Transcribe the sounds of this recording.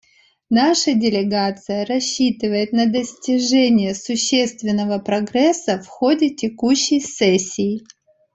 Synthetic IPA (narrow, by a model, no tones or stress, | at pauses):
naʂədʲɪlʲɪɡat̪sɨjəɾɐɕːit̪ɨvəjɪt̪nəd̪əsʲtʲɪʐɛnʲɪjəsʊɕːe̞st̪vʲɪnːəvəpɾɐɡɾɛsːəfxodʲɪtʲɪkuɕːɪjsɛsʲːɪː